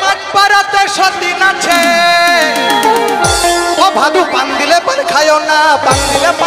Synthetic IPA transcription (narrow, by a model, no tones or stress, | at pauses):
mad͡ʒpaɾɔt̪eɾʃɔd̪inat͡ʃʰe | ɔbʱad̪uband̪ilebaɾkʰajonaband̪ileb